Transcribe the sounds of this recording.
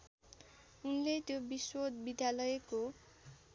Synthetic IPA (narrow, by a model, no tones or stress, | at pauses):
unlet̪jobiswod̪bid̪jalʌjeko